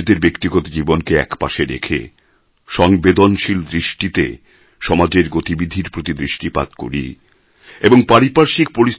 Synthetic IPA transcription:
d̪eɾbekt̪iɡot̪od͡ʑibonkeɛ̰kpa̰ʃeɾḛkʰḛ | ʃɔŋbed̪onʃild̪ɾiʃʈit̪ḛ | ʃɔmad͡ʑeɾɡot̪ibid̪ʱːiɾpɾot̪id̪ɾiʃʈipa̰t̪ko̰ɾḭ | eboŋpaɾipaɾʃik̚poɾis

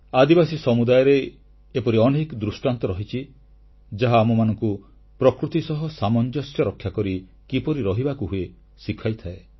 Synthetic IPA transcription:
ad̪ibasisɔmud̪ajɔɾeː | pɔɾiɔnekd̪ɾusʈant̪ɔɾɔɦit͡ʃʰi | d͡ʒaɦaːmumanɔŋku | pɾɔkɾut̪isɔɦɔsamɔnd͡ʒɔsjɔɾɔkʰːjakɔɾi | kipɔɾiɾɔɦibakuɦue | sikʰajt̪ʰae

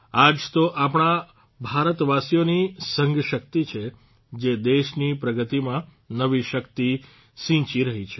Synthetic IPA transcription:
ad͡ʒt̪oʔapɳ̃a | bʱaɾət̪ʋasijonisə̃ŋɡʃək̚t̪it͡ʃʰe | d͡ʒed̪eʃnipɾəɡət̪imã | nəʋiʃəkt̪i | ʃĩt͡ʃiɾəɦit͡ʃʰe

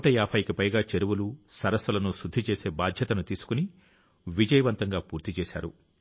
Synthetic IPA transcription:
ʈɐjaːpʰɐːjikipɐjɡaːt͡ʃeɾuʋulusɐɾɐsɐlɐnusud̪ʱːit͡ʃeːse̞ːbaːd̪ʱjɐt̪ɐnut̪iːsu̥kuni | ʋid͡ʒɐjɐʋɐnt̪ɐŋɡaːpuːɾt̪it͡ʃeːʃa̰ːɾu

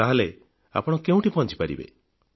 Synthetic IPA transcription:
aɦale | a̰pɔɽ̃ɔkeũʈipɔnt͡ʃi̥paɾḭbḛ

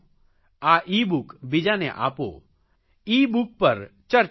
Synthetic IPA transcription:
aʔiːbʊkbɪd͡ʒanḛʔa̰ːpo̰ː | iːbuk̚pɐɾt͡ʃɐɾ

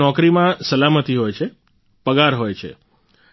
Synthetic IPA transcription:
ɔkɾimãsəlamət̪iɦojt͡ʃʰe | pəɡaɾɦojt͡ʃʰḛ

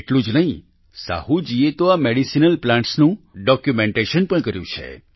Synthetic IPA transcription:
eʈlũd͡ʒnəɦĩ | sa̰hũd͡ʒiet̪oameɽisinəlplãɳʈsnũɖɔkjumẽɳʈeʃənpəɽ̃ɳkəɾjṵ̃t͡ʃʰḛ

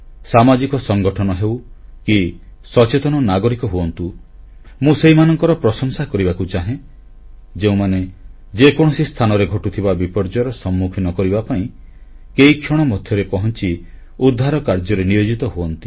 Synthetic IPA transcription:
samad͡ʒikɔsɔŋɡɔʈʰɔnɔɦewkisɔt͡ʃet̪ɔnɔnaɡɔɾikɔɦuɔnt̪u | mũseɦimanɔŋkɔɾɔpɾɔsɔŋsakɔɾibakut͡ʃaɦẽ | d͡ʒeũmane | d͡ʒekɔɽ̃ɔsist̪ʰanɔɾeɡʱɔʈut̪ʰibabipɔɾd͡ʒɔɾɔsɔmːukʰinɔkɔɾibapaĩ | kejkʰjɔɽ̃ɔmɔd̪ʱʰjɔɾepɔɦɔnt͡ʃi | ud̪ʱːaɾɔkaɾd͡ʒɔɾenijod͡ʒit̪ɔɦuɔnt̪i̥

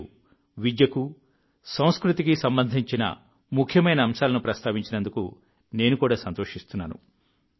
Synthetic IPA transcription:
ʋid̪jɐku | sɐw̃skɾut̪ikisɐmbɐnd̪ʱiɲt͡ʃinɐ̰ | mukʰjɐmɐjnɐːmʃaːlɐnupɾɐst̪aːʋiɲt͡ʃinɐnd̪ukṵ | ne̞ːnukuːɽaːsɐnt̪oːʂist̪unːa̰ːnṵ

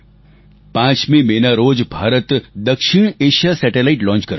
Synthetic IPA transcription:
pãːt͡ʃmẽmenaɾoːd͡ʒbʱaːɾət̪d̪əkʃɪɳ̃eːʃasɛːʈelaɪʈlɔ̃ːnt͡ʃkəɾ

